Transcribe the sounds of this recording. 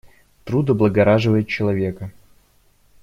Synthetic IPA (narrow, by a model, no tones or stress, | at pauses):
t̪ɾud̪əblˠəɡɐɾaʐɨvəjɪt̪̚t͡ɕɪlˠɐvʲekə